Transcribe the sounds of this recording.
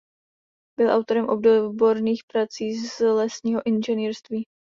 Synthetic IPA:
bɪlʔa̰wt̪o̞ɾɛmʔo̞b̚dobo̞ɾniːxpɾat͡siːzlɛsɲiːɦo̞ʔɪnʒɛniːɾst̪viː

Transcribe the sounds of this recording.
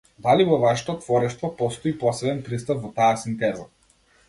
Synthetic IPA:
d̪alivɔvaʃɛ̥t̪ɔt̪vɔɾɛʃt̪vɔpɔst̪ɔipɔsɛbɛnpɾist̪apvɔt̪aasint̪ɛzɔ

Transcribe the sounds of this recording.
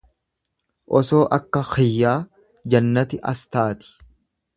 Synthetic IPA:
ʔɔso̞ːʔɐkːɐxɪjːaː | d͡ʒɐnːɐt̪ɪʔɐst̪aːt̪ɪ̥

